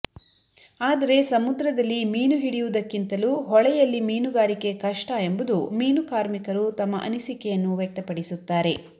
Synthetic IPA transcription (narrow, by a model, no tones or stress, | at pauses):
aːd̪ɐɾe̞sɐmud̪ɾɐd̪ɐlːimiːnuɦiɽijud̪ɐkːint̪ɐluɦɔɭɛjɐlːimiːnuɡaːɾike̞kɐʂʈɐembud̪umiːnukaːɾmikɐɾut̪ɐmːɐʔɐ̰nisikɛjɐnːuʋjek̚t̪ɐpɐɽisut̪ːaːɾe̞